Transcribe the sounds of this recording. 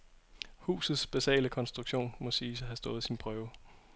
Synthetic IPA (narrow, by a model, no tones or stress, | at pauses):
hṵːsð̞̩ˠsb̥eɕɛ̰ːləkʰɒ̽nsd̥ʁuɡ̥ɕo̝̰ːnmɒ̽siːsɒɦæsd̥ɔ̽ːð̩ˠsinpʰʁœːʊ